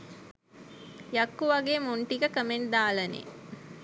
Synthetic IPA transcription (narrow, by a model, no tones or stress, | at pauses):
jɐkːuʋaɡeːmuɳʈikəkəmend̪aːlɐnḛ